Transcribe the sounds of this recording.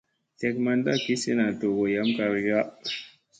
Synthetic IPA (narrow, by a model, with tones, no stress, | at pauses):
te˨kma˨nda˦˨ki˦si˦na˨to˨ɡo˨ja˨˦mka˨ɾɡa˦